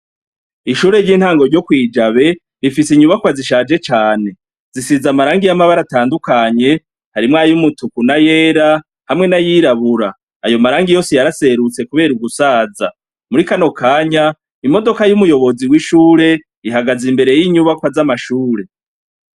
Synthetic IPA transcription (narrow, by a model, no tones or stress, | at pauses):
iʃuːɾe̞ɾɟiːn̥haːŋɡo̞ɾɟo̞kwiːd͡ʒaβe̞ | ɾifisiɲuβakwaziʃaːd͡ʒe̞t͡ʃaːne̞ | zisizamaɾaːŋɡijamaβaɾataːndukaɲe̞ | haɾimŋaːjumutukunaje̞ːɾa | hamŋe̞najiɾaβuɾaː | jo̞maɾaːŋɡijo̞ːsijaɾase̞ɾut͡se̞kuβe̞ːɾuɡusaːza | muɾikano̞kʰaːɲa | imo̞do̞kajumujo̞βo̞ziwiʃuːɾe̞ | iɦaɡazimbe̞ɾe̞jiɲuβakwazamaʃuːɾe̞